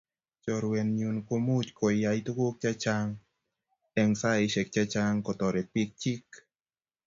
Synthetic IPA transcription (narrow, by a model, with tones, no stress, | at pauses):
t͡ʃɔ˨ɾwe˧nɲu˧˨nko˧˦mu˦˨t͡ʃ̚kɔ˨ja˧jt̪u˦ko˦k̚t͡ʃa˧t͡ʃa˧ŋ | ɛ˧ŋsa˦˧˨i˧se˨k̚t͡ʃa˧t͡ʃa˧ŋkɔ˨˧t̪ɔ˨ɾe˨t̚pi˧k̚t͡ʃi˦k̚